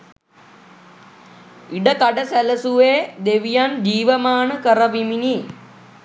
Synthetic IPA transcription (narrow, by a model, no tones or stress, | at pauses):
iɖɐkɐɖɐsɐlɐsuʋeːd̪eʋijaːnd͡ʒiːʋɐmaːɳɨkɐɾɐʋimini